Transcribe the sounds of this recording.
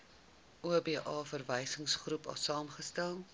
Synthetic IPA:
uəbiːʔɑːfərvəjsəŋsχrupɐ̰sɑːmχəstælˠ

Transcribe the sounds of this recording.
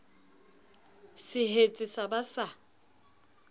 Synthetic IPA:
sɪɦet͡sʼɪsabasa

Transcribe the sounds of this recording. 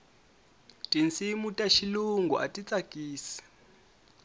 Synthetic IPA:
tʼint͡simutʼaʃiluŋɡuʔa̰tʼit͡sʼakiːsi̥

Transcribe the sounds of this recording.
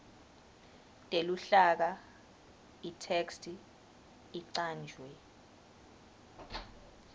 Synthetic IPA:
tʼeluɬak̬a | itʰekstʰʼi | iǀaːnd͡ʒʱwɛ

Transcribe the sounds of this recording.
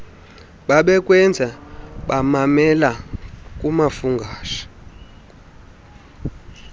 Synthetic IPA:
ɓaɓɛkʼwɛnd͡zʱaɓamamɛlakʼumafuŋɡʱaːʃḁ

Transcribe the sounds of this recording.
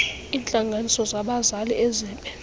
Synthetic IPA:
iːnt͡ɬʼaŋɡʱanisɔzaɓazaliɛzɛːmpʼɛ

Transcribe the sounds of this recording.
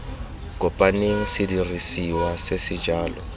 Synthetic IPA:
kʼʊpʼanɪsɪdirisiwasesɪd͡ʒaːlɔ

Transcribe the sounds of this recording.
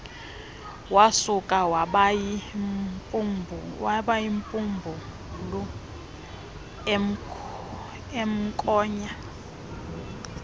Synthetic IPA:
wasukʼawaɓ | pʼmbʱwaɓaimpʼumbʱu | lɔ | m̩ | em̩kʼɔːɲa

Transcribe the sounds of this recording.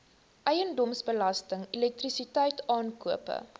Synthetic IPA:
ʔɛjəndɔmsbəlɐstəŋilɛk̚trisitɛjtɑːnkuəpə̰

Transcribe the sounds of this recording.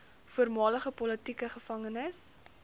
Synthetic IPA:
fuərmɑːləχəpɔlətikəχəfɐŋənəs

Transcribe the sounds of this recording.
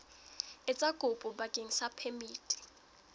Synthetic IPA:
ɪt͡sʼakʼʊpʼʊbakʼeŋ̩sapʰɛmiːtʼi̥

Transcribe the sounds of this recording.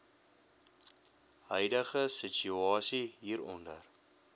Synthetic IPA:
ɦœjdəχəsit͡ʃyɑːsiɦiːɾɔ̰ndə̰r

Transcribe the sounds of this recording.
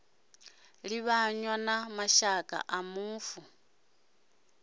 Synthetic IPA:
liβaɲwanamaʃakʼa̰ʔamuːfu

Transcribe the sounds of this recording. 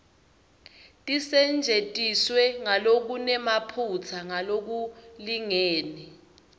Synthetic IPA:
tʼisɛnd͡ʒʱetʼiswɛŋalok̬unɛmapʰut͡sʰaŋalok̬uliŋeːni

